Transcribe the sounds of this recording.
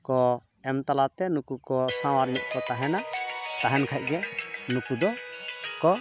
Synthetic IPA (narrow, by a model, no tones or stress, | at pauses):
kɔ | ɛmt̪alat̪ɛnukukɔsãwaɾmiʔ̚ˀkɔt̪aɦɛnat̪aɦɛnkʰac̚ˀɡɛnukud̪ɔkɔ